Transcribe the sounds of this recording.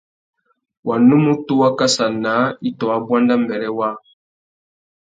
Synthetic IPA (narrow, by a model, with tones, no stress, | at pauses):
wa˨nu˦mu˦tu˦wa˦ka˦sa˨na˨˦i˦tɔ˨wa˨bwa˦nda˦m̩˦˨bɛ˨ɾɛ˦wa˦